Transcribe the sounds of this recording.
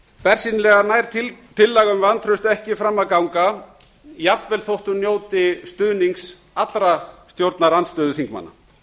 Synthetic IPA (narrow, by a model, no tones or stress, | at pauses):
pɛr̥sinɪlɛɣanaːjɾ̥tt̪ʰɪlːɛɣʏmvant̪ʰɾʏst̪ɛhcɪfɾamːaðkawŋka | japnvɛlθowht̪ʏnjoːwt̪ɪst̪ʏðniŋks | at̪lɾast̪jowɾt̪naɾant̪st̪œːðʏθiŋkma̰nːa̰